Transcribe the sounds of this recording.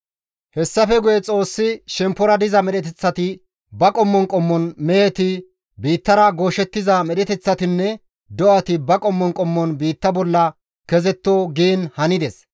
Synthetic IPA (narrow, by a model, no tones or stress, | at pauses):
hɛsːɐfɛɡʊjɛt͡sʼo̞ːsːɪʃɛmpːɔɾɐd̪ɪzɐmɛɗɛt̪ɛt͡sːɐt̪ɪ | bɐkʼɔmːɔŋkʼɔmːɔnmɛɛt̪ɪ | biːt̪ːɐɾɐɡoːʃɛt̪ːɪzɐmɛɗɛt̪ɛt͡sːɐt̪ɪnːɛ | d̪ɔʔɐt̪ɪbɐkʼɔmːɔŋkʼɔmːɔnbiːt̪ːɐbɔlːɐ | kɛzɛt̪ːoːɡiːnhɐnɪd̪ɛs